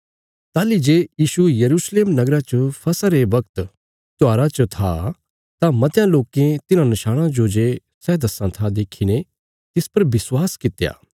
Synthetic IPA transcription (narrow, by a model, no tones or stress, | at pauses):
t̪aːlid͡ʒeːjiːʃujɐɾuːsleːmnɐɡɾãt͡ʃɐpʰɐsaɾebɐk̚t̪ | t̪ʊaːɾat͡ʃot̪ʰa̰ | t̪amɐt̪jãloːkẽt̪ɪnãnɪʃaːɽ̃ãd͡ʒod͡ʒeː | sɛːd̪ɐsãt̪ʰad̪eːkʰiñe | t̪ɪspɐɾbɪswaːskɪt̪ja̰ː